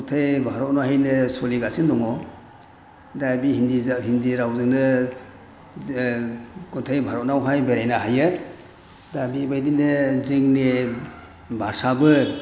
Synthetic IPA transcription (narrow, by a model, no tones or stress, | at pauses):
utʰajbʱaɾɔtnɔɦajnɯsoliɡasindɔŋɔ | dabihindiɦindiɾawzɯŋnɯ | kuntʰajbʱaɾɔt̚nawɦajbeɾajnaɦajɯ | dabibajdinɯzɯŋne | bʱasabɯ